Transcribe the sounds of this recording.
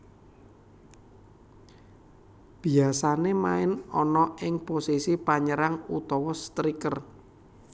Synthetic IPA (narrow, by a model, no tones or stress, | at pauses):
b̥i̤asanemaɪnɔnɔʔɪŋposisipaɲəɾaŋut̪ɔwɔst̪ɾikər